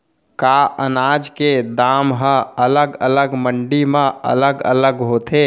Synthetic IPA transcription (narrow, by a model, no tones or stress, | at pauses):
kaʔənad͡ʒked̪amɦə̃ələɡələɡməɳɖimẽə̰ləɡə̰ləɡɦot̪ʰe